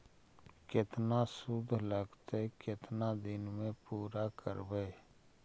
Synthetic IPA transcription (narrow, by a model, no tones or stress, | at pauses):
kɪt̪nasʊd̪ʱləɡt̪ekɪt̪nad̪ɪnmẽpuːɾakə̰ɾbəː